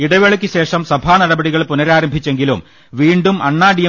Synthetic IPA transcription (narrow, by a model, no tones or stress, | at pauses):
iɽɐʋeɭɐkʲːɨɕe̞ːʂɐmsɐbʱaːnɐɽɐbɐɽiɣɐɭpunɐɾaːɾɐmbʱit͡ɕːe̞ŋɡilum | ʋiːɳɖumʔɐɳːaːɖijɐ